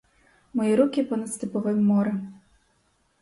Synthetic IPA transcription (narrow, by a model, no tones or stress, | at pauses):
mɔjiɾukʲipɔnɐt̪st̪ɨpɔvɨmːɔɾɛ